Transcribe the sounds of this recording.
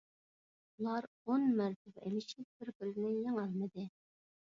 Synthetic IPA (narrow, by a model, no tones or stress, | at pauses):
ulˠɑɾ | onmæɾt̪ʰɪpḛmɪʃɪp̚b̥ɪɾkylɪnɪjeŋɑlˠmɨd̪ɨ